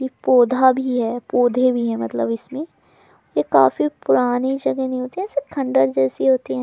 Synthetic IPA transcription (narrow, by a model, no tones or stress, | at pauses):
ipoːd̪ʱabʱiɦɛːpoːd̪ʱebʱiɦɛmɐt̪ləbɪsmẽ | jekaːfipʊɾaːnid͡ʒɐɡɛnɐɦĩɦoːt̪iɦɛ̃ːsekʰɐ̃ɳɖəɾd͡ʒɛːsiɦoːt̪iɦɛ̃